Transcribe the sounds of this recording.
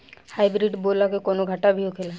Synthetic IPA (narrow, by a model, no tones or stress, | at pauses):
haibɾiɖboːlakekoːnoɡʱəʈabʱiokʰela